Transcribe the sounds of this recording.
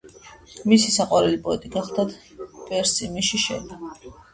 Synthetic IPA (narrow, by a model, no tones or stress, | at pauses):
misisaqʼwaɾɛlipʼɔɛt̪ʼiɡaχlˠd̪at̪ʰ | bɛɾsimiʃiʃɛ̰d̪i